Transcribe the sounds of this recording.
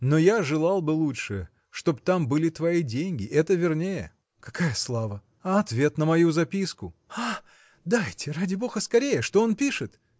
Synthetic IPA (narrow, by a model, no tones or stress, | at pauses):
no̞jaʐɨlˠalˠbɨlˠutʂɨ | ʂt̪o̞bt̪ambɨlʲɪt̪vɐidʲenʲɡʲɪʔɛt̪əvʲɪrnʲejə̰ | kɐkajəslˠavə | ɐt̪vʲe̞t̪nəmɐjuzɐpʲiskʊa | d̪ajtʲɪradʲɪbo̞xəskɐɾʲejəʂt̪o̞onpʲiʂɨt̪